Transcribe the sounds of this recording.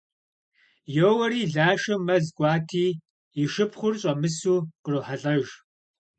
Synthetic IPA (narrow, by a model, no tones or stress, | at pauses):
joːwɐɾiːɮaːʃɐmɐzɡʷʼɑːtʰiː | jɪʃɨpʰχʷʊrɕʼɐmɨsuːqəroħaɬʼɐʒ